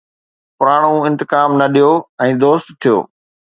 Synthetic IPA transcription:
pʊɾaːɽ̃ũɪ̃nt̪ɪkaːmnɐɗijoːɛ̃ːd̪oːst̪t̪ʰːijo̰ː

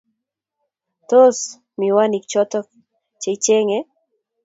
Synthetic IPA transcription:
t̪os | miwanik̚t͡ʃɔt̪ɔk̚ | t͡ʃeit͡ʃeŋe

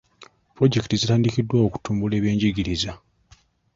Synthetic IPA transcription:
pɾo̞ɟe̞ktizitaːndikidːwaoku̥tuːmbule̞ːβjeːɲɟiɡiɾiza

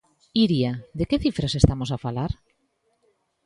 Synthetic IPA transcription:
iɾiad̪ekeθifɾasest̪amosafalaɾ

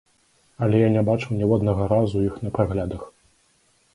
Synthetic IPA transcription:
ɐlʲɛjanʲɛbat͡ʂɨwnʲɛwad̪nɐɣɐɾazujixnɐpɾaɣlʲad̪ɐx

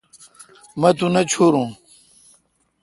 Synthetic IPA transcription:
mɐt̪unɐt͡ɕʰoːɾũː

